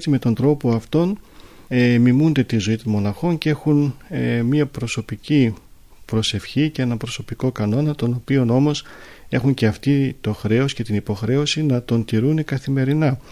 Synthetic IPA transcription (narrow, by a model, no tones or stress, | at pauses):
esime̞t̪o̞nd̪ɾo̞po̞ɐft̪o̞n | emimund̪e̞t̪izo̞it̪onmo̞nɐxo̞nce̞xunemiɐpɾo̞so̞pici | pɾo̞se̞fçicee̞nɐpɾoso̞piko̞kɐno̞nɐt̪o̞no̞pio̞no̞mo̞s | e̞xuɲce̞ɐft̪it̪o̞xɾe̞osce̞t̪inipo̞xɾe̞o̞sinɐt̪o̞nt̪iɾunekɐθime̞ɾinɐ